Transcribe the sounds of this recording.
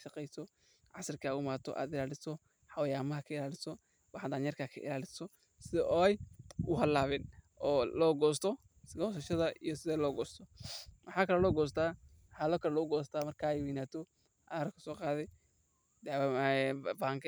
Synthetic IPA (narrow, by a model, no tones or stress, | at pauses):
ʃɑqɛjsɔ | ʕɑsɐrkʰaaːʊmaːt̪ʰɔ̰ʔa̰ːd̪ɪlaːlɪsɔ | ħɑwjaːmɐɦɐkʰɐɪlaːlɪsɔ | wɑħd̪aːnjɐrkʰaːkʰɐ̰ʔɪ̰laːlɪsɔ | sɪðɔːɛjʊɦɐlaːβɛːnʔɔːlɔːɡɔːst̪ʰɔ | ɡɔːsɐʃɐðɐʔijɔsɪðɛlɔːɡɔːst̪ʰɔwɑħaːkʰɐlɛlɔːɡɔːs̬t̪ʰaː | wħaːlɔːkʰɐlɛlɔʊɡɔːsɐt̪ʰaːmɐrkʰaːɛjwiːnaːt̪ʰɔ | ʔaːɾɐkʰɐ̥sɔːqɑːðɛ | d̪ɛ | baŋkʰɐ